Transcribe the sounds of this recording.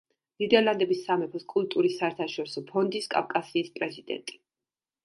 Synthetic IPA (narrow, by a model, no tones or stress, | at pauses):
d̪̥id̪ɛɾlˠand̪ɛbisːamɛpʰɔskʼulˠt̪ʼuɾisːaɛɾt̪ʰaʃɔɾisɔpʰɔnd̪iskʼa̰fkʼasiːspʼɾɛzid̪ɛ̰nt̪ʼi̥